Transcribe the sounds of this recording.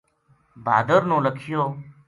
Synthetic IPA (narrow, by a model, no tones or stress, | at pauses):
bʱa̰ːd̪əɾnõːləkʰɪjoː